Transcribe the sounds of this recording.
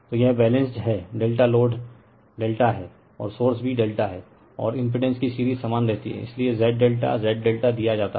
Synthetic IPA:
t̪ojɐɦbɛːlɛ̃nsd͡ʒɦɛːɖeːlʈaloːɖ | ɖeːlʈaɦɛː | ɔ̰ːɾsoːɾsbʱiɖeːlʈaɦɛː | ɔ̰ːɾɪ̃mp̬ɪɖɛ̃nskisiːɾiːzsaːmaːnɾɛɦt̪iɦɛ̰ɪ̰sliezɛːʈ̚ɖeːlʈa̰zɛːʈ̚ɖeːlʈad̪ijad͡ʒaːt̪a

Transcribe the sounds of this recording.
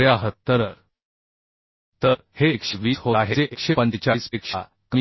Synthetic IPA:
jaɦətt̪ːəɾəɾ | t̪əɾhekʂeʋiːshoaɦeeʔekɕepəɲd͡ʑt͡ɕasekʂa | kə

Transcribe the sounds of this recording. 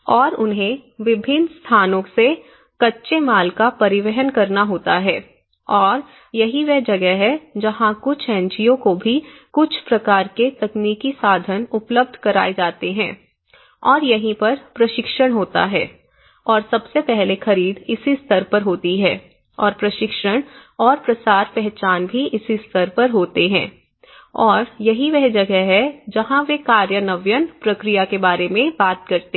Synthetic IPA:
ɔːɾʊnɦẽʋɪbʱɪnːst̪ʰaːnõkse | kɐtːʃemaːlkapɐɾɪʋɛɦənkɐɾnaɦoːt̪aɦɛː | ɔːɾ | jɐɦiʋɛd͡ʒɐɡɛɦɛd͡ʒɐɦãkʊt͡ʃʰɛ̃ːɲt͡ʃijõkobʱikʊt͡ʃʰpɾɐkaːɾket̪ɐkniːkisaːd̪ʱənʊpləb̚d̪ʱkɐɾa̰ːed͡ʒaːt̪eɦɛ̰̃ː | ɔːɾjɐɦĩpɐɾpɾɐʃɪkʃəɽ̃ɦoːt̪a̰ɦɛː | ɔːɾsɐbsepɛɦlexɐɾiːd̪ɪsist̪ʰəɾpɐɾɦoːt̪iɦɛː | ɔːɾpɾɐʃɪkʃəɽ̃ɔːɾpɾɐsaːɾpɛɦt͡ʃaːnbʱiɪsist̪ʰəɾpɐɾɦoːt̪eɦɛ̃ː | ɔːɾjɐɦiʋɛɦd͡ʒɐɡɛɦɛd͡ʒɐɦãʋekaːɾjənəʋjənpɾɐkɾijakebaːɾemẽbaːt̪̚kɐɾt̪eː

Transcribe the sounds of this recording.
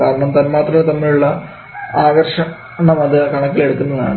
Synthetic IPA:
kaːɾɐɳɐmt̪ɐnmaːt̪rɐmet̪ɐmːiluɭːɐ | aːɡɐrʂɐm | naːmɐðɨkɐɳɐkːile̞ɽukːunːɐða̰ːɳɨ

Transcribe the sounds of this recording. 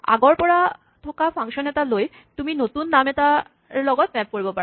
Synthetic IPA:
a̰ɡoɾpɔɽa | t̪ʰokafʰaŋʃonet̪aloj | t̪uminot̪unːamet̪a | ɾlɔɡɔt̪̚mɛp̚koɾibopa

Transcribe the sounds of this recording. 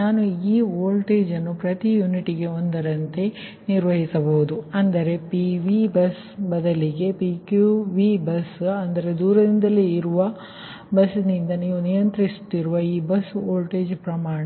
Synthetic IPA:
naːnuiːoːlʈeːd͡ʒɐnːupɾɐt̪ijuːniʈiɡe̞o̞nd̪ɐɾɐnt̪e̞ | niɾʋɐɦisɐbɐɦud̪uɐnd̪ɐɾe̞piʋibɐs | bɐd̪ɐliɡe̞pikjuʋibɐsɐnd̪ɐɾe̞d̪uːɾɐd̪ind̪ɐlːeiɾuʋɐ | bɐsnind̪ɐniːʋunijɐnt̪ɾisu̥t̪ːiɾuʋɐiːbɐsoːlʈeːd͡ʒpɾɐmaːɳ

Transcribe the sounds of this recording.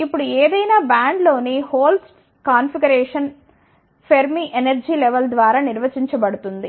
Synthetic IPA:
ipːuɽuɛːd̪ɐjnaːbaːɳɖlo̞ːnihoːls | kaːnpʰiɡɐɾɛːʂɐn | pʰeɾmiːʔenɐɾd͡ʒiːlɛʋɐld̪ʋaːɾaːniɾʋɐt͡ʃiɲt͡ʃɐbɐɽut̪und̪i

